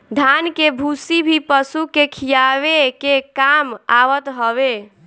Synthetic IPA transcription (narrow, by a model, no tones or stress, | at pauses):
d̪ʱankebʱusibʱipəsukekʰijaʋekekamawət̪ɦəβe